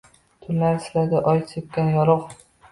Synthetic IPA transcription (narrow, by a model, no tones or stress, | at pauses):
t̪ʰʊllːaɾslad̪ɪʔɒjsʰep̚kʲanjɒɾɒq